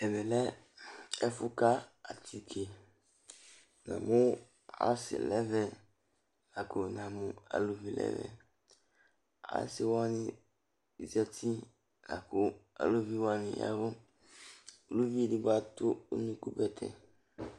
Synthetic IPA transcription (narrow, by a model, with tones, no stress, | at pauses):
ɛ˨bɛ˨lɛ˦ | ɛ˦fʊ˦ka˦a˨tʰi˨kʰe˨ | nã̰˨mʊ˦ | a̰˦sɪ̰˨lɛ˦vɛ˨ | la˨ko˨nã˨mʊ̃˨a̰˨lo˨vi˦lɛ̰˦vɛ̰˨ | a̰˨˦sɪ˨wa˦nɪ˦˨ | zɛ˦tʰi˦ | la̰˨kʊ˨a̰˨lo˦vi˦wa˦nɪ̃˨ja̰˦vʊ˦ | o˨lu˦vi˦dɪ˦ba˨tʊ˦o̰˦nũ˦ku˦bɛ˨tʰɛ̰˨